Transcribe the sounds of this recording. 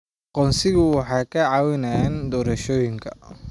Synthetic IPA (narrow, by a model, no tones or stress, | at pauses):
qɔnsɪɣʊwɑħɑːjkʰɐʕɑːwɪnaːjɛːnd̪ɔːɾɐʃɔːjɪŋkʰɐ̰